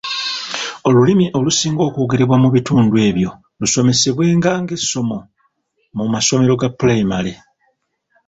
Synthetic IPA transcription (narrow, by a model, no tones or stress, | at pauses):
o̞lulimiʔo̞lusiːŋɡo̞ːkoːɡeɾeβwamuβituːndwe̞ːβjo̞ | luso̞me̞se̞βwe̞ːŋɡaːŋɡe̞sːo̞mo̞ | mumaso̞me̞ɾo̞ɡapulejimale